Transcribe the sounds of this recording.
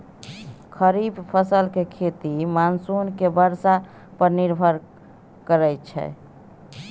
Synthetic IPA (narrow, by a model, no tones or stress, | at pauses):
kʰəɾibpʰəsəlkekʰet̪imansunkebəɾsa | pəɾniɾbʱəɾ | kəɾɛjt͡ʃʰɛ̰